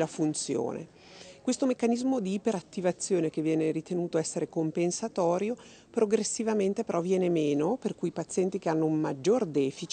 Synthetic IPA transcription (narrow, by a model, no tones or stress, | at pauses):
lafunt̪sjo̰ːnḛ | kwest̪omekːanizmod̪iːpeɾat̪ːivat̪sːjoːnek̟evːjɛːneɾit̪enuːt̪oɛsːeɾekompensat̪ɔːɾjo | pɾoɡɾesːivament̪epeɾɔvjɛːnemeːnoperkujipat̪sːjɛnt̪ikeanːoummad͡ʒːord̪ɛːfit͡ʃ